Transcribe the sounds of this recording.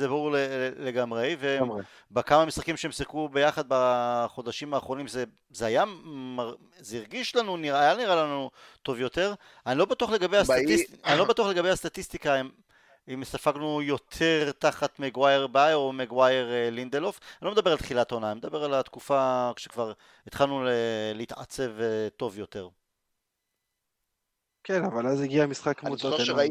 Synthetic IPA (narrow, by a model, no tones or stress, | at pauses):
zebaʁuʁleleɡamʁejve | bakamamisʁakimʃeemsikube̞jaχad̪̚baχo̞d̪aʃimaːχʁo̞nimze | zeajamaʁ | zeiʁɡiʃlanuniʁaajaniʁalanut̪o̞vjo̞t̪e̞ʁ | anilo̞bat̪uaχle̞ɡabejasianilo̞batuaχle̞ɡabejast̪at̪ist̪ikaim | imsafaɡnujo̞t̪ʰe̞ʁt̪aχat̪meɡwajeʁbajo̞meɡwajeʁlind̪elofanilomd̪abe̞ʁalt̪χilat̪aonaːnime̞d̪abe̞ʁalat̪kufakʃekvaʁ | it̪χalnuleleit̪a̰t͡se̞vt̪o̞vjo̞t̪e̞ʁ | kenavalaziɡiamisχakmuaa